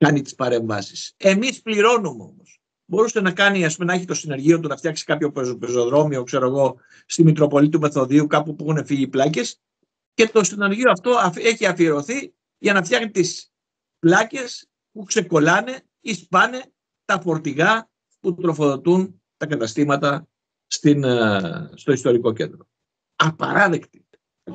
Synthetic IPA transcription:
kɐnit̪i̥spɐɾe̞ɱvɐ̰si̥se̞mispliɾo̞numeo̞̰mos | bo̞ɾusenɐkɐniɐspume̞nɐeçit̪o̞sine̞ɾʝio̞t̪unɐft̪çɐksi̥kɐpço̞pezpezoðɾo̞mio̞kse̞ɾo̞eɣo̞ | st̪imik̪ɾo̞po̞lit̪ume̞θo̞ðiukɐpupuexune̞fiʝiplɐce̞s | ce̞t̪o̞sine̞ɾʝioɐft̪o̞ɐeçiɐfieɾo̞θi | ʝɐnɐft̪çɐxnit̪is | plɐce̞s | pukse̞ko̞lɐne̞ | ispɐne̞ | t̪ɐfo̞ɾt̪iɣɐ | put̪ɾo̞fo̞ðo̞t̪un | t̪ɐkɐt̪ɐst̪imɐt̪ɐ | st̪in | st̪o̞ist̪o̞ɾiko̞ce̞̰nd̪ɾo̞ | ɐpɐ̰ɾɐðe̞kt̪i̥

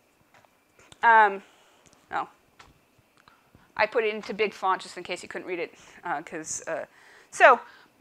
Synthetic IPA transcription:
ʌ̃m | no̰ʊ | ʔa̰ɪpʰʊɾɨɾɪ̃ntʰʉbɪɡ̥fɑ̃n̚d̥ʒ̥ʌstɨ̃nkʰeɪsjɨkʰʊdⁿn̩ʔɹiɾɨt̚ʌkʰʌz̥ʌ̰ | soʊ

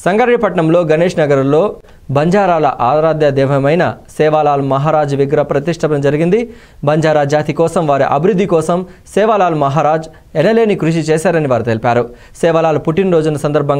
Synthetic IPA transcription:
sɐŋɡɐɾɳipɐʈɳɐmlo̞ːɡɐneːʂnɐɡɐɾɐmlo̞ː | bʱɐɲd͡ʒaːɾaːlɐʔaːɾaːd̪jɐd̪ɛːʋɐmɐjnɐsɛːʋaːlaːlumɐɦaːɾaːd͡ʒuʋiɡɾɐpɾɐt̪iʂʈʰɐpɐnd͡ʒɐɾiɡind̪i | bʱɐɲd͡ʒaːɾad͡ʒaːt̪ikɔːsɐmʋaːɾiʔɐbʱiɾud̪ʱːikɔːsɐm | sɛːʋalaːlumɐɦaːɾaːd͡ʒ | ɛnɐle̞ːnikɾuʃ̬it͡ʃɛːsaːɾɐniʋaːɾut̪elipaːɾu | sɛːʋɐlaːlupuʈinɾoːd͡ʒunːɐsɐnd̪ɐɾbʱɐŋ

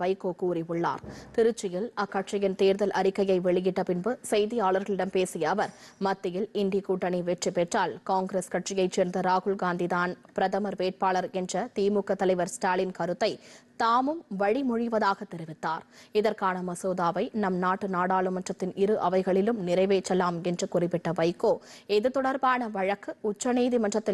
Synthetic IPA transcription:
ʋɐɪkːoːkuːrɪʋɯɭːa̰ːɾt̪ɪɾɯt͡ʃːɪjɪlɐkːɐʈt͡ʃɪjɪnt̪eːɾðɐlʔɐɾɪkːɐjɐɪʋɛɭɪjɪʈːɐpɪnbɯsɐɪðɪjaːɭɐɾɣɐɭɪɽɐmpeːsɪjɐːʋɐɾmɐt̪ːɪjɪlɪɳɖikuːʈːɐɳiʋɛʈripːɛʈraːlkaːŋɡɾeskɐʈt͡ʃɪjɐɪt͡ʃeːɾnd̪ɐɾaːɣʊɭɡaːnd̪iðaːnpɪɾɐðɐmɐɾʋeːʈ̚paːɭɐɾɛndrɐt̪iːmukːɐt̪ːɐlɐɪʋɐɾsʈaːlɪnkɐɾɯt̪ːɐɪt̪aːmɯmʋɐɻimʊɻɪʋɐðaːɣɐt̪ːɛɾɪʋɪt̪ːaːɾɪðɐɾkaːnɐmɐsoːðaːʋɐɪnɐmnaːʈːɯnaːɽaːɭɯmɐʈrɐt̪ːɪnɪɾɯʔɐʋɐɪɣɐɭɪlɯmnɪɾɐɪʋeːt͡ʃːɐlːaːmɛndrɯkʊrɪpːɪʈːɐʋɐɪkːoːɛðɯt̪ːɔɽɐɾbaːnɐʋɐɻɐkːɯʊt͡ʃːɐneːðimɐʈrɐt̪ːɪ

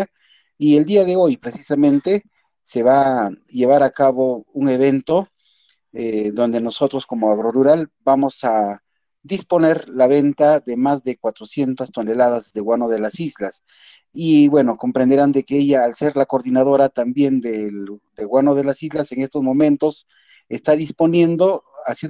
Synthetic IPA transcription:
ie̞ld̪iaðe̞o̞jpɾe̞sisamẽ̞nt̪e̞ | se̞βaʝe̞βaɾakaβo̞uŋe̞βe̞nt̪o̞ | ed̪o̞nd̪e̞no̞so̞t̪ɾo̞sko̞mo̞aɣɾo̞ruɾalbamo̞sa | d̪ispo̞ne̞ɾlaβe̞nt̪aðe̞mazðe̞kwat̪ɾo̞sje̞nt̪ast̪one̞laðazðe̞ɣwanoðe̞lasizlas | iβwe̞no̞ko̞mpɾend̪eɾand̪e̞keeʝaːlse̞ɾlako̞ɾðinaðo̞ɾat̪ambje̞nd̪ed̪eɣwano̞ðe̞lasizlase̞ŋe̞st̪o̞zmõ̞mẽ̞nt̪o̞s | e̞st̪aðispo̞nje̞nd̪o̞asje

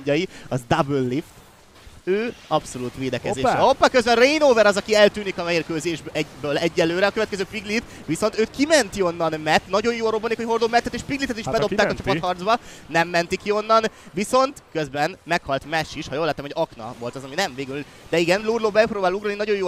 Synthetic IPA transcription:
ɒjiɒzd̪abølːift̪ | øːɒpso̞luːt̪ʋeːd̪ɛkɛzeːʃɛopːɑkøzbɛnreinoːvɛɾɒzɒkiɛlt̪yːnikɒmɛiːrkøːzeːʒbɛbøːlɛɟːɛlːøːɾɛɒkøvɛt̪kɛzøːpiɡlit̪ | ʋiso̞nt̪øːt̪kimɛnt̪io̞nːɒnmɛt̪nɒɟo̞jjoːrobːonikocho̞rd̪obmɛnt̪ːɛt̪eːʃpiɡlit̪ɛt̪iʃbɛd̪o̞p̪aːkɒt͡ʃɒppɒhɒrd̪zbɒnɛmːɛnt̪ikio̞nːɒnʋiso̞nt̪køzbɛnmɛkhɒlt̪mɛʃːiʃhɒjoːlːaːt̪ːɛmɛɟɒknɒ̰vo̞lt̪ɒzɒminɛɱveːɡyl | d̪ɛiɡɛnlurloːbɛproːbaːluɡɾoːlinɒɟo̞joː

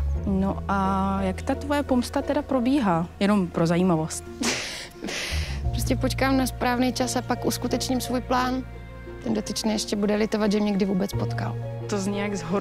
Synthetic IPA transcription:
noʔajakt̪at̪vojɛpomst̪at̪ɛdapɾo̞biːɦaːjɛno̞mpɾo̞zajiːmavo̞st̪ | pɾoscɛpot͡ʃkaːmnaspɾaːvnɛjt͡ʃasapakʔuskut̪ɛt͡ʃɲɪmsvuːjplaːn | t̪ɛndot̪ɪt͡ʃnɛjɛʃcɛbudɛlɪt̪ovad̪ʒɛmɲɛɡdɪvuːbɛt͡spot̪ka̰lt̪ozɲɛjaɡzɦo

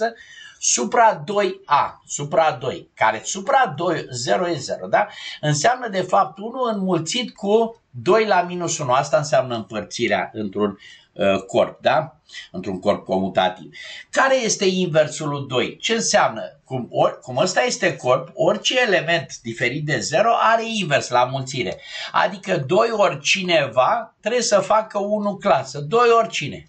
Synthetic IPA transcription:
əsupɾad̪o̞jasupɾad̪o̞jkaɾe̞supɾad̪o̞jze̞ɾojeze̞ɾod̪aɨnseamnəd̪e̞fap̚t̪unuɨnmult̪sit̪ku | d̪o̞jlaminusunuast̪aɨnseamnəɨmpərt̪siɾea̰ɨnt̪ɾun | ko̞̰rp̚d̪a | ɨnt̪ɾuŋko̞rp̚ko̞mut̪a̰t̪ḭvkaɾe̞je̞st̪e̞inve̞rsuld̪o̞jt͡ʃe̞ɨnseamnə̰kumokuməst̪aje̞st̪e̞ko̞rpo̞rʲt͡ʃeːle̞me̞nt̪d̪ife̞ɾit̪̚d̪e̞ze̞ɾo̞ʔaɾe̞inve̞rslamult̪siɾe̞̰a̰d̪ikəd̪o̞jo̞rʲt͡ʃine̞vat̪ɾe̞bjesəfakəunuklasəd̪o̞jo̞rʲt͡ʃine̞̰

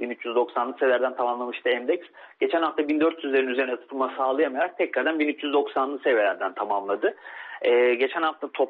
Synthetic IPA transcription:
binyt͡ʃjyzd̪o̞ksanˠɯsevlʲæɾd̪ænt̪ʰamamlˠamɯʃt̪ʰɯɛmd̪ɛcs | ɟ̥e̞t͡ʃʰænhaft̪ʰabind̪øɾt̪ʰjyzlʲeɾinyze̞ɾinɛt̪ʰɯ̥t̪ʰɯlˠmasaːlˠɯjamajaɾak̚t̪ʰɛcɾaɾd̪anbinyt͡ʃjyzd̪o̞ksanlˠɯsevelʲæɾd̪ænt̪ʰamamlˠad̪ɯɛːɟe̞t͡ʃʰænhaft̪ʰat̪ʰo̞p

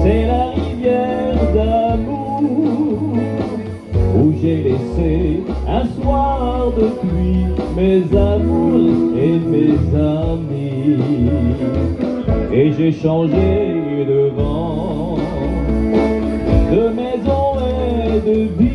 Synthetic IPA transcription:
sɛlaʁivjɛʁd̪amu | uʒelɛse | ɛ̃swaʁd̪əpɥimezamuʁemezami | eʒeʃɑ̃ʒeyd̪əvɑ̃ | d̪əmɛzɔ̃ɛd̪əbi

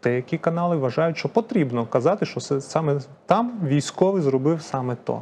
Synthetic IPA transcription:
t̪ɛjɐkʲikɐnɑlˠɪʋɐʒɑjʊtʲʃt͡ʃɔpɔt̪ɾʲibnɔkɐzɑt̪ɪʃt͡ʃɔsɛsɑmɛ | t̪ɑmʋʲijsʲkɔʋɪzrɔbɪwsɑmɛt̪ɔ̰

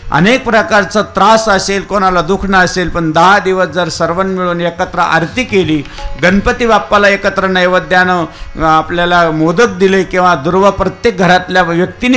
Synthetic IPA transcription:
ə̰nek̚pɾəkaɾt͡sat̪ɾasəselkonalad̪ukʰɳəəselpəɳd̪əɦad̪iʋəsd͡zəɾsəɾʋənmiɭuːnekət̪ɾəʔa̰ɾt̪iːkeliː | ɡənpət̪iʋapːalaekət̪ɾənəjʋəd̪janəapljalamod̪ət̪̚d̪ilekĩw̃ʋad̪uɾʋəpɾət̪jek̚ɡʱəɾat̪ljaʋjək̚t̪in

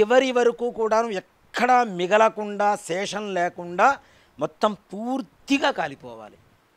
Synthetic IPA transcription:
ɛʋɐɾiʋɐɾɐkuːkuːɽaːnuɛkʰːɐɽamiɡɐlɐkuɳɖaːsɛːʂɐnleːkuɳɖaː | mɔt̪ːɐmpuːɾt̪iɡaːkaːlipɔ̰ːʋa̰ːli

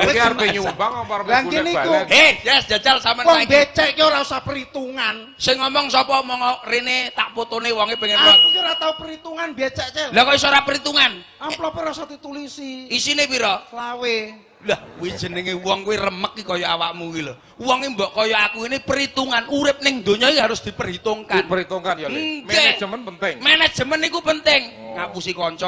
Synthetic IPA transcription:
karbeɲwbaŋɔŋpaɾaŋinikuehjɛsdd͡ʒ̥a̤d͡ʒalsamawɔibet͡ʃɛʔkioɾausapəɾit̪uŋan | sɪŋɔmɔŋsɔpɔmɔŋɔrenet̪aʔpot̪onewɔŋebeŋɛɔupiɾat̪aupəɾit̪uŋanbat͡ʃɛʔt͡ʃɛlakɔisoɾapəɾit̪uŋanaplɔpiɾausat̪it̪ulisiisinepiɾɔlawe | lahkwed̥ʒ̥ə̤nɪŋewɔŋkuwerəməkːikɔjɔawaʔmuwilo | wɔŋimbɔʔkɔjɔakuinipəɾit̪uŋanuɾɪp̚nɪŋd̪o̤ɲɔiɦaɾʊsd̪̥i̤pərɦit̪oŋkanpəɾit̪uŋkanjmed͡ʒ̥əmənpənt̪ɪŋmɛnɛd̥ʒ̥ə̤mənikupənt̪ɪŋŋapusikɔɲt͡ʃɔ

